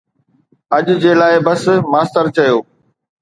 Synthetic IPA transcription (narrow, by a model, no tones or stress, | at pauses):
ɐʄd͡ʑeːlaːɪbɐsmaːst̪əɾt͡ɕɐjoː